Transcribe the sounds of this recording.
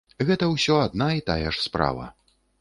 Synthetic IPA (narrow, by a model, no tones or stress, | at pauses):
ɣɛt̪ɐwsʲɔad̪̚nait̪ajɛʂspɾa̰vɐ̰